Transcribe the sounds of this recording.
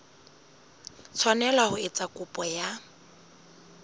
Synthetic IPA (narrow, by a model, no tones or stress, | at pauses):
t͡sʰwanɛlahʊɪt͡sʼakʼʊpʼɔja